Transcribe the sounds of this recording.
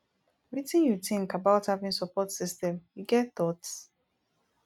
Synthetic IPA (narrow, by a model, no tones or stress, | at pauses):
ɹitĩnjutĩŋkabaʊthavĩnsɔpɔtsistɛ̃mjuɡɛtθɔts